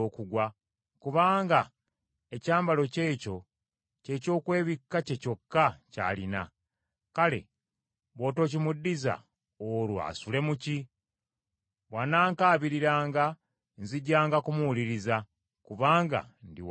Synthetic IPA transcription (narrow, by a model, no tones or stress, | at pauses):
oːkuɡwa | kuβaːŋɡa | ecaːmbalo̞ce̞ːco̞ | ce̞ːco̞ːkwe̞ːβikːace̞co̞kːaca̰ːlina̰ | kale̞̰ | βo̞ːto̞ːc̬imudːiza̰ | olwa̰sule̞muci | βwanaːŋkaːβiɾiɾaːŋɡa | nziɟːaːŋɡakumuuliɾiza | kuβaːŋɡa̰ndiw